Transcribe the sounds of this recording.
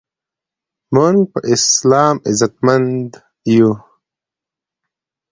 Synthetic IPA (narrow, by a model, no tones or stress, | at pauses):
mənpəʔislaːmizɐt̪̚mɐnd̪ | ju